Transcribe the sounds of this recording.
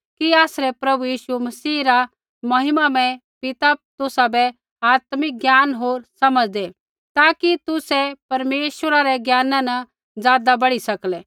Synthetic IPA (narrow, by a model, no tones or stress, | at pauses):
kiaːsɾɛpɾɐbujiːʃumɐsiːɾa | mɐɦɪmamɛ̃ | pɪt̪at̪ʊsabɛ | aːt̪mɪk̚ɡjaːnɦoːɾsɐməd͡ʒd̪e | t̪aːkit̪ʊsɛpɐɾmeːʃwəɾaɾɛɡjaːnãnɐ | d͡zjaːd̪abɐɽisɐklɛ